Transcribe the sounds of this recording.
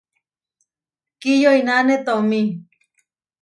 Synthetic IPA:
kijoinanet̪omi

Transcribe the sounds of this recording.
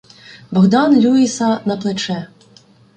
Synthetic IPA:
bɔɣd̪ɑnlʲuisɐnɐplˠet͡ʃɛ

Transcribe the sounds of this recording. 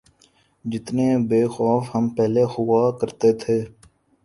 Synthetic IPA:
d͡ʒɪt̪nebeːxɔːfɦəmpɛɦlexʊwaːkəɾt̪et̪ʰeː

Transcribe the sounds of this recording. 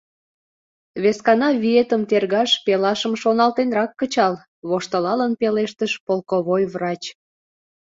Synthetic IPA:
βeskɑnɑβiet̪əmt̪erɣɑʃpelɑʃəmʃonɑlt̪enrɑkːət͡ɕɑl | βoʃt̪ə̆lɑlənpeleʃt̪əʃpolkoβojβrɑt͡ɕ

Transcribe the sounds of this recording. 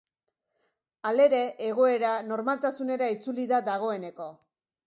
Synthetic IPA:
ale̞ɾe̞ʔːɣo̞e̞ɾano̞ɾmalt̪asune̞ɾait͡suliðaðaɣ̞o̞e̞ne̞ko̞

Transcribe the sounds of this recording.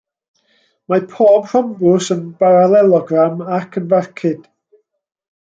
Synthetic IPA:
mapʰoːbr̥ɔmbʊsənb̥aɾalˠɛlˠɔɡramakʰənvarkʰɪd̥

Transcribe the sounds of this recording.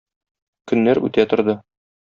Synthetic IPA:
kɵ̆nːæɾʉ̰t̪æt̪ŏɾd̪ɤ

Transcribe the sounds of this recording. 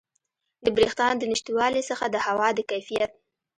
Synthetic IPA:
d̪əbɾixt̪ɑnd̪ənɪʃt̪iwɑlisəxad̪əhawɑd̪əkajfijat̪̚

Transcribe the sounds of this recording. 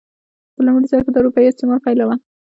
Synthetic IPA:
pəlamɽizaɾkəd̪əawɾupɑjiɪst̪ɪmɑlpajlawa

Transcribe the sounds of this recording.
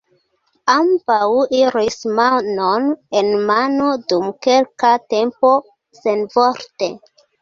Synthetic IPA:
ambawiɾismanonenmanodumkelkate̞mpo̞ | senvoɾte

